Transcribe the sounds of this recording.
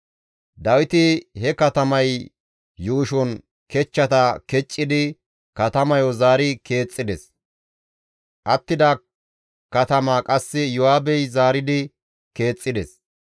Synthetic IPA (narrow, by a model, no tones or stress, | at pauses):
d̪ɐwɪt̪ɪhɛkɐt̪ɐmɐj | juːʃɔn | kɛt͡ʃːɐt̪ɐkɛt͡ʃʼːɪd̪ɪ | kɐt̪ɐmɐjɔzaːɾɪke̞ːt͡sʼːɪd̪ɛs | ʔɐt̪ːɪd̪ɐ | kɐt̪ɐmaːkʼɐsːɪjʊhaːbɛjzaːɾɪd̪ɪ | ke̞ːt͡sʼːɪd̪ɛs